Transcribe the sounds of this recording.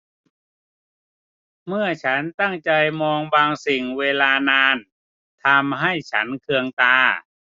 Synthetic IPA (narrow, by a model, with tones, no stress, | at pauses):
mɯ˥˩ɐt͡ɕʰa˦˥nt̪a˥˩ŋt͡ɕa˧jmɔː˧ŋbaː˧ŋsi˨˩ŋweː˧laː˧naː˧n | t̪ʰa˧mɦa˥˩jt͡ɕʰa˦˥nkʰɯ˧əŋt̪aː˧